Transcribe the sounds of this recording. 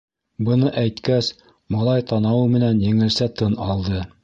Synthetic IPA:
bɤ̆nɤʔæjt̪kæs | mɑlˠɑjt̪ɑnɑwɤmɘ̆nænjɘ̆ŋɘ̆lsæt̪ɤnɑlˠd̪ɤ

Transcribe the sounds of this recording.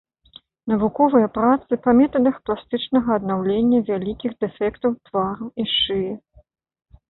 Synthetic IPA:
nɐvukɔvɨjɐpɾat̪sɨpɐmʲɛt̪ɐd̪ɐxplˠast̪ɨt͡ʂnɐɣɐːd̪nawlʲenʲːɐvʲalʲikʲiɣd̪ɛfʲɛkt̪ɐwt̪vaɾuiʂɨji

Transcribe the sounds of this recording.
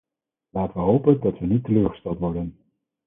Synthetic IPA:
laːtəʋəɦowpəndɑtʋənitːəløːɹχə̥stɛlˠtʋɔɹdən

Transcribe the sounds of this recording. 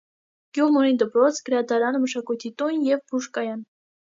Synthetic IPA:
ɡ̥juʁmuɾind̪əpɾɔt͡sʰɡ̥əɾɑd̪ɑɾɑnməʃɑkujt̪ʰit̪unjɛvbuʃkɑjɑn

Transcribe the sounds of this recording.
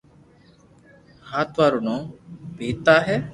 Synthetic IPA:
haːt̪ʋaːɾunɔ̃ːpiːt̪aːɦɛː

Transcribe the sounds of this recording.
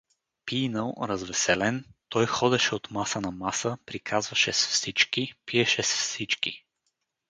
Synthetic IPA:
piːnəlˠɾɐzvɛsɛlɛnt̪ɔjxɔd̪ɛʃɛot̪masənɐmasəpɾikʰazvɐʃɛsfsit͡ʃkipiɛʃɛsfsit͡ʃkḭ

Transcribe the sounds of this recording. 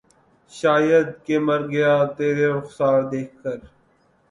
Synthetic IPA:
ʃaːjəd̪̚keːməɾɡəjaːt̪eːɾeɾʊxsaːɾd̪eːkʰkəɾ

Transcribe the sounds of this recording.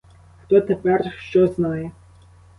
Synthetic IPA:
xt̪ɔt̪ʰɛpʲʼɛrʃt͡ʃɔznaːjɛ

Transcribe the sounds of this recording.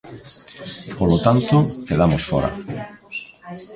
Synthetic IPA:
polot̪ant̪okeðamosfɔ̰ɾa̰

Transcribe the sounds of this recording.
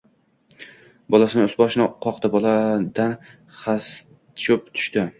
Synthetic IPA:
bɒlasɪnɪʊsbɒʃɪnɪqʰɒqt̪abɒlˠad̪an | χas | t͡ʃʰʊp̚t̪ʰʊ̥ʃt̪ɪ

